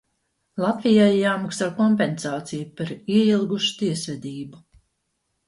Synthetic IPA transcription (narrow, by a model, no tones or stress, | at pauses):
lˠat̪vijajjaːmaksaːkɔmpensaːt̪sijupaɾiɛilˠɡuʃu̥t̪iɛsvɛd̪iːbu